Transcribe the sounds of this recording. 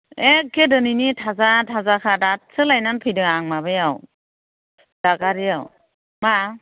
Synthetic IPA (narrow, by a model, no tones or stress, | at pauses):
ek̚ʰːedɯninitʰazatʰazakʰadat̚sɯlajnanpʰɯjdɯŋaŋmaβɯjaw | d̥aɡaɾijaw | ma